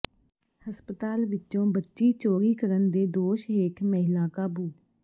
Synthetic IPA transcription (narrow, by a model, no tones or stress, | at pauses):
həspət̪aːlʋɪtːʃõːbətːʃiːt͡ʃoːɾiːkəɾənd̪eːd̪oːʃekməɦɪlaːkaːbuː